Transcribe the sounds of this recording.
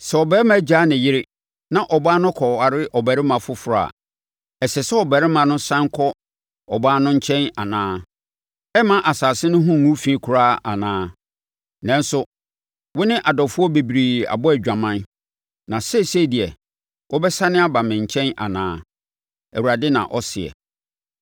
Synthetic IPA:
sɛ˨ɔ˨bɛː˦ɾɪ˦mã˦d͡ʑa˦nɪ̃˨jɪ˦ɾɪ˦ | nã˨ʔɔ˨baː˦nʊ̃˦kʰɔ˨a˨ɾɪ˦ʔɔ˨bɛ˨ɾɪ˦mã˨fʊ˦fʊ˨ɾa̰˨ | ɛ˨sɛ˨sɛ˦ɔ˨bɛ˨ɾɪ˦mã˨nʊ̃˦sã˦ŋkʰɔ˦ | ɔ˨baː˦nʊ̃˦ɲ̩˦t͡ɕʰɛ̃˦na̰˨nãː˦ | ɛ˦mã˦ʔa˨saː˨sɪ˦nʊ̃˦ɦʊ̃˦ŋũ˦fĩ˦kʰʊ˨ɾaː˦a̰˨nãː˦ | nɛ̃˦n˦sʊ˦ | wʊ˦nɪ̃˦ʔa˨dɔ˨fʊ˦ɔ˦be˨bi˨ɾi˨a̰˨bɔ˦ɛ˨d͡ʑᶣã˨mã˦n | nã˨sɛ˦˨sɛ˦˨di˨ɛ˨ | wʔɔ˦bɛ˦sa˦nɪ̃˦a˦ba˨mɪ̃˨ɲ̩˨t͡ɕʰɛ̃˦na̰˨nã̰ː˦ | æ˨wu˨ɾa˨dɪ˦nã̰˨ʔɔ˦sɪ˨ɛ̰˨

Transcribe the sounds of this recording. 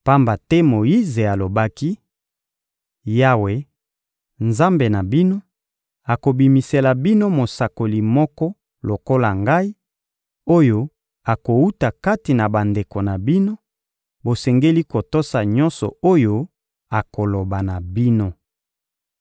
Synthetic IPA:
pa˦mba˨tɛ˦mo˨ji˦ze˨a˨lo˨ba˦ki˦ | ja˦we˨ | nza˦mbe˨na˨bi˦no˦ | a˨ko˨bi˨mi˨se˨la˨bi˦no˦mo˨sa˨ko˨li˨mɔ˦kɔ˦ | lo˨ko˦la˨ŋɡa˦i˦ | o˦jo˦ | a˨ko˨u˦ta˨ka˦ti˨na˨ba˨nde˨ko˨na˨bi˦no˦ | bo˨sɛ˨ŋɡe˦li˦ko˨to˦sa˨ɲɔ̃˦nsɔ̰˨o˦jo˦ | a˨ko˨lo˨ba˨na˨bi˦no˦

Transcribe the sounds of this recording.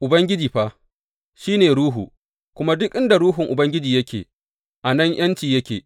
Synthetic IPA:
ʔʊ˨bɐ˦ŋɡʲɪ˦d͡ʒiː˨ɸa˦ | ʃiː˦neː˨ɾɽuː˦ɦṵ˨ | kʷʊ˦ma˦dʊ˦kʔɪ˦nda˨ɽuː˦ɦʊ˨ŋʔʊ˨bɐ˦ŋɡʲɪ˦d͡ʒiː˨jɐ˦kʲʰḛː˨ | ʔa˨nɐ˦ɲj̰ɐ˦nt͡ʃiː˨jɐ˦kʲeː˨

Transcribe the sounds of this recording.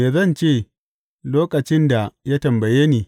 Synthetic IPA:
eː˨zɐ˦˨nt͡ʃeː˦˨ | loː˦kʼɐ˨t͡ʃɪ˦nda˨ja˦tɐ˨mbɐ˨jeː˦neː˨

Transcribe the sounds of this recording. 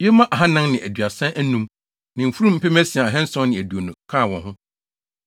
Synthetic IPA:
jɛ˦mã˦ʔa˨ɦã˦nã˦ŋnɪ̃˨æ˨dɥa˨sɛ̃˦æ˦nũ˦m | nɪ̃˨m̩˨fu˦ɾũ˦m̩˦pɛ˦mæ˦si˨a˨a˨ɦɛ̃˦n̩˦sɔ̃˦nɪ̃˨æ˨du˨o˨nũ˨kʰa˦˨wɔ̃˨nɦʊ̃˦

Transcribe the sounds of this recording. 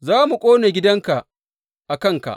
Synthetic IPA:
zaː˦mu˨kʷʼoː˦ne˨ɡʲɪ˦dɐ˦ŋka˨ʔ | ʔa˨kɐ˦˨ŋka̰˨ʔ

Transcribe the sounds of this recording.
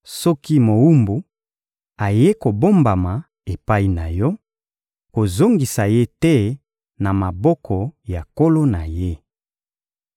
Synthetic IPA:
sɔ˦ki˦mo˨wu˦mbu˨ | a˨je˦ko˨bo˦mba˨ma˨ | e˨pa˦i˦na˨jɔ˦ | ko˨zo˦ŋɡi˨sa˨je˦tɛ˦ | na˨ma˨bɔ˦kʰɔ˨ja˨ko˦lo˦na˨je˦

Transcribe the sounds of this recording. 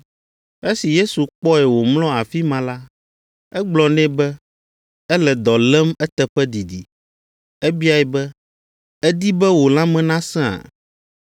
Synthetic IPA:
e˦si˨je˦su˨k͡pɔ˦ɛ˨wo˨mlɔ̃˦a˨fi˦mã˨la˦ | ɛ˦ɡ͡blɔ˨nɛ̃˦bɛ˦ | ɛ˦lɛ˨d̪ɔ˨lɛ˦mɛ˦t̪ɛ˦ɸɛ˦d̪i˨d̪i˨ | ɛ˦bi˦a˨jɛ˨bɛ˦ | ɛ˦d̪i˦bɛ˦wo˨lã˦mɛ̃˦nã˦sɛ̃˦a̰˨

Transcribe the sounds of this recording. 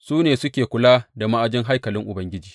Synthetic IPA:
suː˦neː˨sʊ˦kʲeː˨kʷʊ˨laː˦da˨ma˦ʔa˨d͡ʒɪ˦ŋɦa˦jkɐ˨lɪ˦ŋʔʊ˨bɐ˦ŋɡʲɪ˦d͡ʒiː˨

